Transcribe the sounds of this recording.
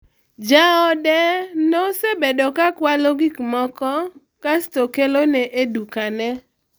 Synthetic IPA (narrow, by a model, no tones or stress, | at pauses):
d͡ʒaɔdɛnosebedɔkakwaloɡikmɔkɔ | kastokelonɛʔedukanɛ